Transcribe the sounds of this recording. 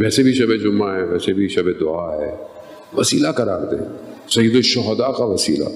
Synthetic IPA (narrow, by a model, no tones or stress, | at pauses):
ʋɛːsebʱiʃɐbed͡ʒʊmːaɦɛːʋɛːsebʱiʃɐbed̪ʊaːɦɛː | ʋɐsiːlakɐɾaːɾd̪ḛ̃ːsɐjəd̪oʃɔɦd̪akaʋɐsḭːla̰